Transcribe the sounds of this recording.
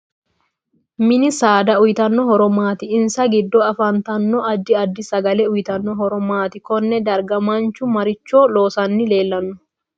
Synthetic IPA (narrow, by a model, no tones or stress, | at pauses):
mɪnɪsaːd̪ɐʊjɪt̪ɐnːɔɦɔɾɔmaːt̪ɪɪnsɐɡɪd̪ːɔɐfɐnt̪ɐnːɔʔɐd̪ːɪɐd̪ːɪsɐɡɐlɛʊjt̪ɐnːɔɦɔɾɔmaːt̪ɪkɔnːɛd̪ɐɾɡɐmɐnt͡ʃʊmɐɾɪt͡ʃːoːloːsɐnːɪle̞ːlːɐnːʊ̥